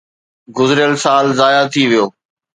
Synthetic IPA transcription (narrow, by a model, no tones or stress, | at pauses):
ɡʊzɪɾjəlsaːlzaːjat̪ʰiʋijoː